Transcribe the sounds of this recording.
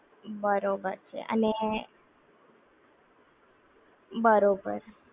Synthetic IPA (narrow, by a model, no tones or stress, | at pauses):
bəɾobəɾt͡ʃʰḛʔə̰ne | bəɾobə̰ɾ